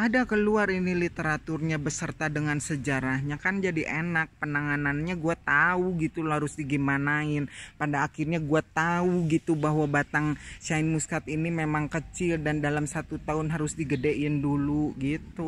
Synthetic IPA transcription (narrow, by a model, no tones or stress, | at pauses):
ʔadakəluarinilit̪əɾat̪ʊrɲabəsərt̪adəŋansəd͡ʒaɾahɲakand͡ʒadiʔenak̚pənaŋananɲaɡuat̪auɡit̪ulaɾʊsdiɡimanaɪnpadaːkɪrɲaɡuat̪auɡit̪ubaɦwabat̪aŋʃaɪnmuskat̪inimemaŋkət͡ʃɪldandalamsat̪ut̪aʊnɦaɾʊsdiɡədeʔɪnduluɡit̪u